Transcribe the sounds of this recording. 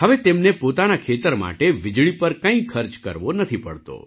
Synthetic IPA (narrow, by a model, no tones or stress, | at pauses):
ɦəʋet̪emnepot̪anakʰet̪əɾma̰ʈeʋɪd͡ʒɭipəɾkə̃ĩkʰəɾt͡ʃkə̰ɾʋonət̪ʰipə̰ɭt̪o̰